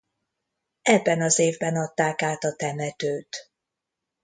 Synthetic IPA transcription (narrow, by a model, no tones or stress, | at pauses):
ɛbːɛnɒzeːvbɛnɒt̪ːaːkaːt̪ɒt̪ɛmɛt̪øːt̪